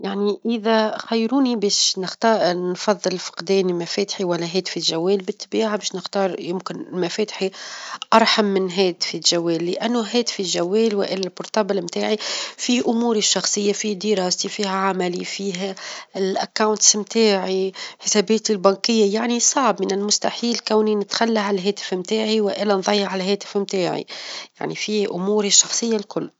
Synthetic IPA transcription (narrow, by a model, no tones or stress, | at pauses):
jaʕniʔɪðaxajːɾuːnibɛːʃnɪxt̪ɑːnfɑðˤːɨlfɑ̥qd̪ɛːnimæfɛːt̪ħiwælːæɦɛːt̪filʒawːɛːlbɪt̪ːbiːʕabɛːʃnɪxt̪ɑːɾˤjɪmkɪnmæfɛːt̪ħiʔɑɾˤħamːɪnɦɛːt̪filʒawːɛːlːɪʔænːʊɦɛːt̪filʒæwːɛːlwɪ̰ʔɪlːalbʊɾt̪ɑːbɪlmt̪aːʕifiʔʊmuːɾiʃːɑxsˤɨjːafihd̪iɾɑːsifiːhaʕamalifiːɦalʔakːawnt̪smt̪ʰaːʕiħɪseːbeːt̪ilbankɪjːajaʕnisˤɑʕbmɪnɪlmʊst̪aħiːlkæːwninɪt̪xalːaʕalɦeːt̪ɪ̥fmt̪aːʕiwɪʔeːlanðˤɑjːɑʕalɦeːt̪ɪ̥fmt̪aːʕḭja̰ʕnifiːʔʊmuːɾiʃːɑxsˤɨjːalkʊlː